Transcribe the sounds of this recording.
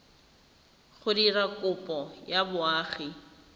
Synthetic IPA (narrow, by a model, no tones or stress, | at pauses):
χʊdirakʼʊpʼɔjabʊaːχi